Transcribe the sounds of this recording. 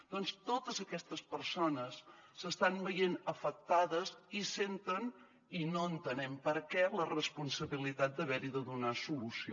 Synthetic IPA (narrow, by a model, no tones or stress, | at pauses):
d̪̥ɔnst̪ot̪əzəkɛst̪əspəɾsonəsːəst̪anbəjenəfək̚t̪aðəzisent̪ən | inoənt̪ənɛmpəɾkɛlərəspunsəβilit̪at̪̚d̪əβɛɾiðəðunasulusi